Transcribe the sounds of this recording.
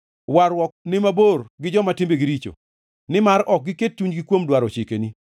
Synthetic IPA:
waɾwɔk̚nɪmaborɡɪd͡ʒɔmatɪmbeɡɪɾit͡ʃo̰ | nɪmaɾɔk̚ɡɪket̚tuɲɡɪkwomdwaɾot͡ʃɪkeni

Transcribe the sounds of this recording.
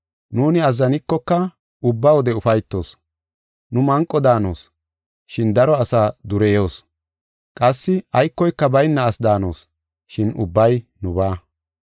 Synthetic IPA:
nuːnɪɐzːɐnɪkːɔkːɐ | ʊbːawɔd̪ɛʊfɐjt̪ːo̞̰ːs | nʊmɐŋkʼːɔd̪aːno̰ːs | ʃɪnd̪ɐɾɔɐsaːd̪ʊɾɛjo̞ːs | kʼɐsːɪɐjkːɔjkːɐbɐjnːɐːsd̪aːno̞̰ːs | ʃɪnʊ̰bːɐjnʊbaː

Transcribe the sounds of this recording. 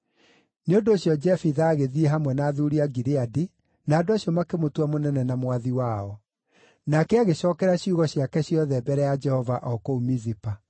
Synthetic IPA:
neondoɕjɔd͡ʒɛfiðaːɣeðieɦamwɛnaːðuɾiaɡiɾeadi | naːdoaɕjɔmakemotwamonɛnɛnamwaðiwaːɔ | nakɛaɣeɕɔːkɛɾaɕiuɣɔɕjakɛɕjɔðɛbɛɾɛjad͡ʒɛhɔvaʔɔkoumizipa

